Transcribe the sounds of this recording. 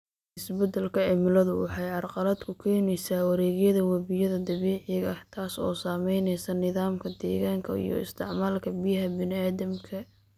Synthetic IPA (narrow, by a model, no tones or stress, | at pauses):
ɪsbɐd̪ɐlkʰɐʕɪmɪlɐðʊwɑħɑjʕɑrqɑlɐd̪kʰʊkʰɛːnɛjsaːwɐɾɛːɣjɐðɐwɐβɪjɐðɐd̪ɐβɛːʕɪɣɐht̪ʰaːsɔ̰ːsaːmɛjnɛjsɐnɪðaːmkʰɐd̪ɛːɣaːŋkʰɐḭjɔ̰ɪ̰st̪ʰɪʕmaːlkʰɐbɪjɐɦɐbɪnɪaːðɐmkʰɐ